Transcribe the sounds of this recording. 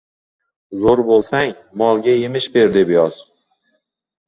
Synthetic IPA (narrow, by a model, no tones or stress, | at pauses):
zoɾbolˠsaŋ | mɒlˠɡʲajemɪʃbe̞ɾd̪ebjɒz̥